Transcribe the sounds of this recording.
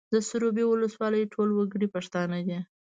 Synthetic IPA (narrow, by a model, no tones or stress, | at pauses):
d̪əsʊɾobewʊləswɑləjʈʰolwaɡɽipaʂt̪ɑnad̪i